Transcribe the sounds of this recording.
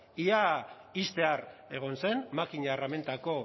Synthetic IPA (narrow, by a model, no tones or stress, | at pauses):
ia | ist̪e̞are̞ɣ̞o̞nse̞nmakiɲarame̞nt̪ako̞